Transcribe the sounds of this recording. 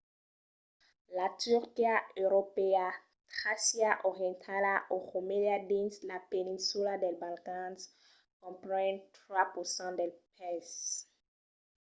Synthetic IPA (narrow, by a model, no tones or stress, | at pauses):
latyʁkiaøʁopea | tχasjaʔɔʁjɛ̃ntʰalaʔoʁomeliadĩnslapɛnĩnsuladɛlbalkãns | kɔ̃mpʁɛ̃ntχwapusɑ̃dɛlpɛs